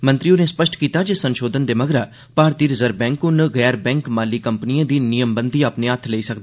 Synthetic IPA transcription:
mə̃nt̪ɾijõnespəʃʈkiːt̪aːd͡ʒesənʃoːd̪ənd̪eːmɐɡɾaː | paːɾt̪iːɾɪzəɾbɛ̃ːŋkʊnɡɛːɾbɛ̃ːŋkmaːlikəmpnijãːd̪iːnijəmbənd̪iːəpneət̪ʰleisɐk̚d̪e

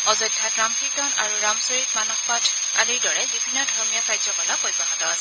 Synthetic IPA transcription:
ɔzɔjdʱːatɹamkʰiktɔnaɹuɹamsɔɹik̚manɔxpatʰ | a̰liɹdɔɹɛbibʱinːɔdʱɔɹmijakɹajzɔkɔlapɔjbaɦɔtɔt

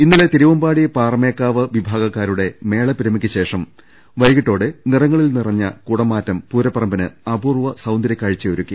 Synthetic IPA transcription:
inːilet̪iɾiʋɐmbaːɽijpaːrme̞ːkːaːʋɐʋibʱaːɡɐkːaːɾuɽe̞me̞ːɭɐpiɾɐmikʲːɨɕe̞ːʂɐm | ʋɐjɡiʈːo̞ːɽɨnirɐŋːɐɭilnirɐɲːɐkuɽɐmːaːtːɐmpuːɾɐpːɐrɐmbɐnɨɐbʱuːrʋɐsɐwnd̪ɐɾɐkʲːaːɻit͡ɕːɐjoɾukʲːi

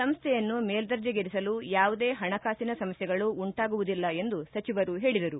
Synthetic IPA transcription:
sɐmɐst̪ʰɛjɐnːumeːld̪ɐɾd͡ʒɐɡeɾisɐlujaːʋud̪e̞ːɦɐɳɐkaːsinɐsɐmɐsjɛɡɐɭuːɳʈaːɡuʋud̪ilːɐe̞nd̪usɐt͡ʃiʋɐɾuɦe̞ːɭid̪ɐɾu

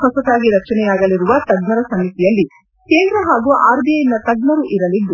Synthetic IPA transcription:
ɦɔsɐd̪aːɡiɾɐk̚t͡ʃɐnɛjaːɡɐliɾuʋɐt̪ɐɡnɐɾɐsɐmit̪ijɐlːi | ke̞ːnd̪ɾɐɦaːɡuʔaːɾbijɐjinɐt̪ɐɡnɐɾuʔiɾɐlid̪ːu

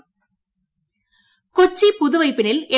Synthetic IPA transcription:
kɔt͡ʃːipʊðʊʋɐɪpːɪnɪle

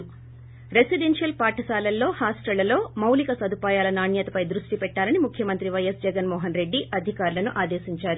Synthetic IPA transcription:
ɾe̞siɖenʂjɐlpaːʈɐsaːlɐlːo̞ːhaːsʈɐlːɐlo̞ːmɐwlikɐsɐd̪ʱupaːjaːlɐnaːɳjɐt̪ɐpɐjd̪ɾuʂʈipɛʈːaːlɐnimukʰjɐmɐnt̪ɾiʋɐjɐsd͡ʒɛɡɐnmɔːɦɐnɾe̞ɖːiʔɐd̪ʱikaːɾlɐnuʔaːd̪eːʃiɲt͡ʃaːɾu

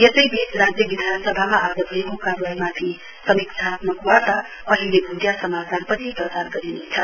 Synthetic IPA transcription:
jʌsəjbisɾad͡zjəbid̪ʱansʌbʱamaad͡zəbʱəekokaɾajmapʰi | sʌmiksʰat̪mʌkuwat̪ʌ | ʌɦilebʱudjasʌmat͡sanpʌt͡sʰipɾʌsaɾɡʌɾinet͡sʰʌ

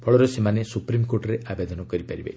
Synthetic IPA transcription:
bʰɔɭɔɾɔsemanesupɾimkoɾʈɔɾeʔʔabed̪ɔnɔkɔɾipaɾibḛ

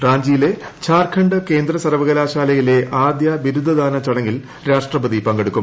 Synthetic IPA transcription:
raːɲd͡ʑiːile̞t͡ɕʰaːrkʰɐɳɖɨke̞ːnd̪rɐsɐrʋɐɣɐlaːɕaːlɐjile̞ʔaːd̪jɐʋiɾud̪ʱːɐd̪aːnɐt͡ɕɐɽɐŋːil | ɾaːʂʈrɐbɐd̪ipɐŋɡeɽukːum

